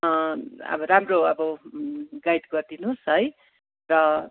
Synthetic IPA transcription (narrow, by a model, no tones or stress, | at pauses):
ʌ̰bʌɾamroʌbʌ | ɡajd̪ɡʌrd̪inusɦʌj | rʌ